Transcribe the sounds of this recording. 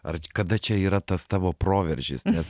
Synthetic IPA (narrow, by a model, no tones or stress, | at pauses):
ɐ̰rkɐd̪ɐt͡ʃʲɛiːɾɐt̪ɐst̪ɑːʋoːpɾoːʋʲɛɾʲʒʲɪ̰snʲɛs